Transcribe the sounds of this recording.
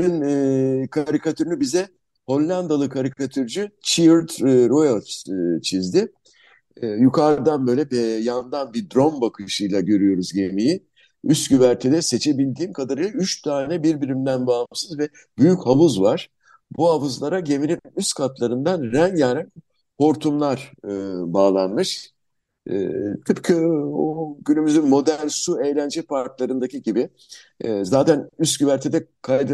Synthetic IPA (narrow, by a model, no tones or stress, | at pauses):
ninːkʰaɾikʰat̪ʰyɾynybizɛ | ho̞lʲːand̪alˠɯkʰaɾikʰat̪ʰyɾd͡ʒyt͡ʃʰiɾt̪ɾojolʲst͡ʃʰizd̪ɪ | jukʰaɾd̪anbø̞jlʲɛbɛjand̪anbid̪ɾo̞mbakʰɯʃɯjlˠaɟø̞ɾyjo̞ɾuzɟe̞miji | yst̪ɟyβæɾt̪ʰɛd̪ɛse̞t͡ʃʰebilʲd̪iːmkʰad̪aɾɯjlˠayt͡ʃt̪ʰaːnɛbiɾbiɾimd̪ænbaːamsɯzvɛ | byjychavɯzvaɾ̥ | buɦavɯzlˠaɾaɟe̞miɾinnyst̪kʰat̪lˠaɾɯnd̪anɾɛnjaɾɛn | po̞ɾt̪ʰumlˠaɾ̥ɯbaːlˠanmɯʃ | t̪ʰɯpkʰɯoɟynymyzynmo̞d̪æɾnsue̞jlʲænd͡ʒɛpʰaɾklˠaɾɯnd̪acʰiɟibɪ | zaːt̪ʰænyst̪ɟyvæɾt̪ʰed̪ɛkʰajd̪ɯ